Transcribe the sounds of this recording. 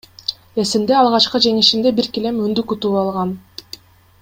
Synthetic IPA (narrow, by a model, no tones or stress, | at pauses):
e̞simd̪e̞ɑlˠʁɑt͡ʃqɤd͡ʒe̞ŋiʃind̪e̞biɾkile̞mynd̪ykut̪uːɑlˠʁɑn